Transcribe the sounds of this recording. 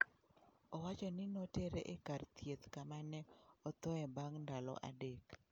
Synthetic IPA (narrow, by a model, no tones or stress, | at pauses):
ɔwat͡ʃɔnɪnoteɾeʔekart̪jet̪kamanɛɔt̪ɔɛbaŋndalɔ̰ʔa̰dek